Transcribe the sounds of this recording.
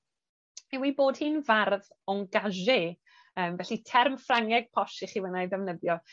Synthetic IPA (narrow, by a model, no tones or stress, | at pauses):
ewiboːd̥hiːnvarð | ɔŋɡaʒɪ | əːmvɛɬitʰɛrmfraŋɛɡ̥̚pʰɔʃiχiːwənajðɛvnəðjɔ